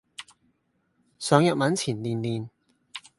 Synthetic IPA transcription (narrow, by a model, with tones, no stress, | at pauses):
sœː˨˥ŋjɐ˨t̚mɐ˨˥nt͡sʰiː˨˩nliː˨˩nliː˨n